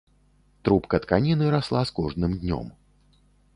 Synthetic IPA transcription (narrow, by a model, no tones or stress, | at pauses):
t̪ɾupkɐt̪kanʲinɨɾaslˠaskɔʐdnɨmd̪ʲnʲɔ̰m